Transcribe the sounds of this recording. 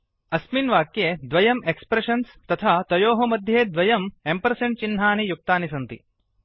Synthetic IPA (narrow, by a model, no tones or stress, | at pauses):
ɐsminʋaːkjeːd̪ʋɐjɐmekspɾeʂɐnst̪ɐt̪ʰaːt̪ɐjoːɦɐmɐd̪ʱjeːd̪ʋɐjɐmempɐɾseɳʈt͡ʃinːaːnijuk̚t̪aːnisɐnt̪ḭ